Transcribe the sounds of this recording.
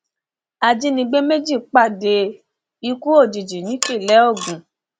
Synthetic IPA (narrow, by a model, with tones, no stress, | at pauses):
a˧d͡ʒi˦nĩ˧ɡ͡be˦me˦d͡ʒi˦˨k͡pa˦˨de˧ | i˧ku˦o˦˨d͡ʒi˨d͡ʒi˨nĩ˨˦ki˦˨lɛ˨˦o˦˨ɡũ˨